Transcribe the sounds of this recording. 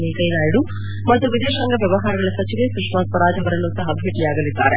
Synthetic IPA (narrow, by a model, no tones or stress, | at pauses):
neːkɐjnaːjiɽu | mɐt̪ːuʋid̪eːʃɐŋɡɐʋjɐʋɐɦaːɾɐɡɐɭɐsɐt͡ʃiʋesukʂmaːs̚pɐɾaːd͡ʒʱɐʋɐɾɐnːusɐɦɐbʱeːʈijaːɡɐlid̪ːa̰ːɾe